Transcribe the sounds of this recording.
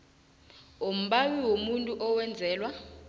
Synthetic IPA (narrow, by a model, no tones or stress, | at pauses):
om̩ɓawiwomuntʼuʔɔwɛnd͡zʱɛːlwa